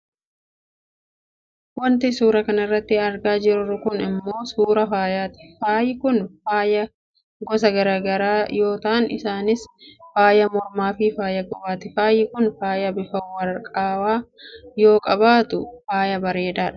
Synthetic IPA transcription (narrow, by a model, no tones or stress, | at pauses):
wɐnt̪ɪsuːɾɐkɐnɐɪrːɐt̪ːɪɐɾɡaːd͡ʒɪɾʊɾʊkʊnɪmːo̞ːsuːɾɐfaːjaːt̪ɪ̥faːjɪkʊnfaːjɐ | ɡɔsɐɡɐɾaːɡɐɾaːjo̞ːt̪ɐʔɐnɪ̰saːnɪsfaːjɐmɔɾmaːfɪfaːjɐɡɔbaːt̪ɪfaːjɪkʊnfaːjɐbɪfɐwɐɾkʼaːwaːjo̞ːkʼɐbaːt̪ʊfaːjɐbɐɾeːd̪aːᶑɐ̥